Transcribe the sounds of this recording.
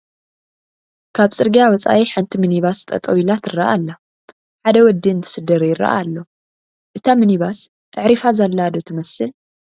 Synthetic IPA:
kʰaβt͡sʼɨɾɡijawɔt͡sʼa̰ʔiħant̪ʰimɨniβast̪ʼɐ̰t̪ʼɐwilat̪ɨrːɐʔalːa | ħad̪ɐwɔd̪ːɨnt̪ʰɨ̥sɨd̪ɐɾjɪɾɐ̰ʔa̰lːo | ʔɨt̪ʰamɨniβas | ʔɨʕɾifazalːad̪ot̪ʰɨmɐsɨl

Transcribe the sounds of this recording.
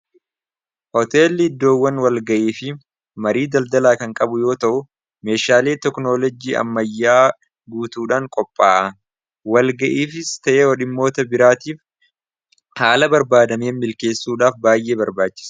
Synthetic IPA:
hɔt̪e̞ːlːɪɪd̪ːo̞ːwːɐnwɐlɡɐʔeːfɪ | mɐɾiːd̪ɐld̪ɐlaːkɐŋkʼɐbʊjo̞ːt̪ɐʔʊ | me̞ːʃaːle̞ːt̪ɛkno̞ːlɔd͡ʒiːɐ̰mːɐjːaː | ɡuːt̪uːᶑaːŋkʼɔpʼːaːʔɐ | wɐlɡɐʔiːfɪst̪ɐʔeːwɔᶑɪmːo̞ːt̪ɐbɪɾaːt̪iːf | haːlɐbɐɾbaːd̪ɐmeːnmːɪlke̞ːsːuːᶑaːfbaːjʔe̞ːbɐɾbaːt͡ʃːɪ̥s

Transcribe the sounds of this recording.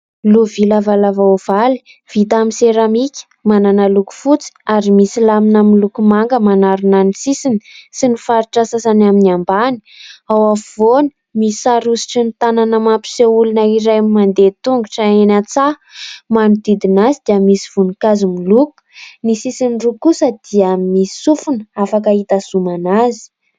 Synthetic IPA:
luvilavalavav̥ali̥ | v̥it̪amiseɾamikʲə̥mananəluku̥fut͡si̥aɾimisilaminamilukumaŋɡəmanaɾunanisisinisinifaɾiʈ͡ʂasasanaminiambani̥awafvoni̥ | misaɾusi̥ʈ͡ʂinit̪ananəmampi̥seulunaiɾajmmand̪et̪uŋɡuʈ͡ʂaenat͡sa | manud̪id̪inazid̪iəmisiv̥unikazumiluku̥nisisinrukusəd̪̥iəmmi̥sufunafakait̪asumanazi̥

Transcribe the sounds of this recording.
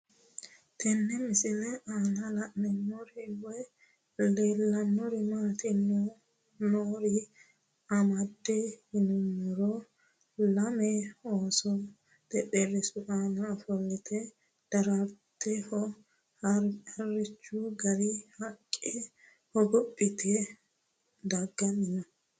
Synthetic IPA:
t̪ɛnːɛmɪsɪlɛʔaːnɐlɐʔnɛnːɔɾɪwɔj | leːlːɐnːɔɾɪmaːt̪ɪnːɔ | noːɾɪ | ɐmɐd̪ːɛhɪnʊmːɔɾɔ | lɐmɛoːsɔ | d̪̥ɛpːɛrɪsʊʔanɐfɔlːɪt̪ʰɛ | d̪̥ɐɾɐɾt̪ːɛhɔ | ɐɾɐrːɪt͡ʃːuɡɐɾɪhɐkʼːɪ | hɔɡɔpʼːɪt̪ɛ | d̪ɐɡːɐnːɪnɐ

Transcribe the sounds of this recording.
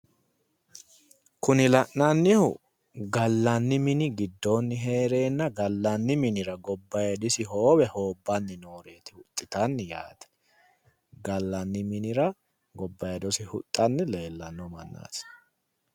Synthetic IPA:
kʊnɪlɐʔnɐnːɪhʊ̰ | ɡɐlːɐnːɪmɪnɪɡɪd̪ːonːɪɦe̞ːɾe̞ːnːɐɡɐlːɐnːɪmɪnɪɾɐɡɔbːɐjɐd̪ɪsɪɦo̞ːbɛho̞ːbːɐnːɪno̞ːɾe̞ːt̪ɪ̥hʊt̪ʼːɪt̪ɐnːɪja̰ːt̪ɛ̥ | ɡɐlːɐnːɪmɪnɪɾɐ | ɡɔbːɐjɛd̪ɔsɪhʊt̪ʼːɐnːɪle̞ːlːɐnːɔmɐnːa̰ːs

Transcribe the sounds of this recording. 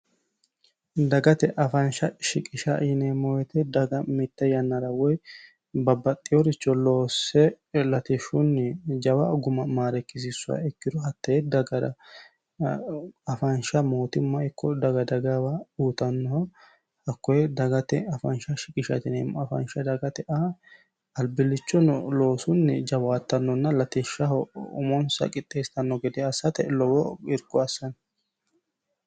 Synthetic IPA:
d̪ɐɡɐt̪ɛʔɐfɐnʃɐʃɪkʼɪʃɐɪnemːɔwɛt̪ɛd̪ɐɡɐmɪt̪ːɐjɐnːɐɾɐwɔj | bɐbːɐt̪ʼːɪjɔɾɪt͡ʃːɔloːsːɛ | lɐt̪ɛʃʊnːɪd͡ʒɐwɐɡʊmɐmaːɾɛkːɪs̬ɪsːʊa̰ɛkːɪd̪ɔɦɐt̪ːɐɛd̪ɐɡɐdɐ | ɐfɐnʃɐmo̞ːt̪ɪmːɐɪkʰːɔd̪ɐɡɐd̪ɐɡɐwauːt̪ɐnːɔhɔ | hɐkːɔjɛd̪ɐɡɐt̪ɛɐfɐnʃɐʃɪkʼɪʃɐ̰t̪ɪnɛmɐfɐ̰nʃɐd̪ɐɡɐt̪ɛʔɐ | ɐlbɪlːɪt͡ʃːɔnɔlo̞ːsʊnːɛd͡ʒɐwaːt̪ːɐnːɔnːɐlɐt̪ɛʃːɐɦɔʊ̰mɔnsɐ̰kʼɪt̪ʼːeːst̪ɐnːɔɡɛd̪ɛɐsɐt̪ɛ̰lɔwɔɪɾɡɔɐsːɐn

